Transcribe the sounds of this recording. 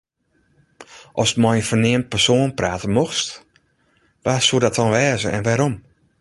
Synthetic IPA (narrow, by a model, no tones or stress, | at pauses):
ʔɔsmɔjəfərneːəmt̚pərsoːnpraːtənmoxst | ʋasuədɔtʰɔnʋɛːzəɛ̰nʋaɾom